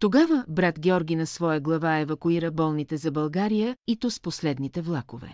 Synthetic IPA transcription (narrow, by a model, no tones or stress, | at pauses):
t̪oɡavəbɾat̪ɡʲɛɔɾɡʲinɐsvɔjəɡlˠɐvaɛvɐkuiɾəbɔlˠnit̪ɛzɐbɐlˠɡaɾijəit̪ɔsposlɛd̪nit̪ɛvlˠakʊvɛ̰